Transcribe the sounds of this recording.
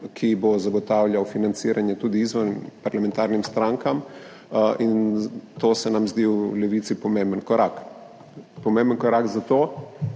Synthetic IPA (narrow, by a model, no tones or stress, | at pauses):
kʰibozaɡɔt̪aːwlʲjawfinant̪siːɾʔanjɛt̪uːd̪iiːzʋɔɾnimpaɾlamɛ̃nt̪aːɾnimst̪ɾaŋkam | ʔint̪oːsɛnamzd̪iulɛʋiːt̪sipɔmembənkɔɾak | pɔmẽmbənkɔɾaɡzat̪oː